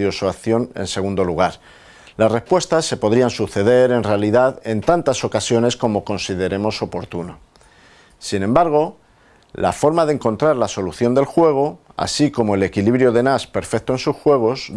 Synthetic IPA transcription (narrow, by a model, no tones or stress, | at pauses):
josoaθjo̞nḛnse̞ɣũnd̪o̞luɣ̞aɾ | lasre̞spwe̞st̪asːe̞po̞ðɾiansuθe̞ðe̞ɾe̞nrealiðaðe̞nt̪ant̪aso̞kasjo̞ne̞sko̞mo̞ko̞nsið̞e̞ɾe̞mo̞so̞po̞ɾt̪uno | sinẽ̞mbaɾɣ̞o̞ | la̰fo̞ɾmaðeŋkõ̞nt̪ɾaɾlaso̞luθjo̞nd̪e̞lxwe̞ɣ̞o̞a̰siko̞mo̞ele̞kiliβɾjo̞ðe̞naspe̞ɾfe̞k̚t̪oe̞nsusxwe̞ɣ̞o̞z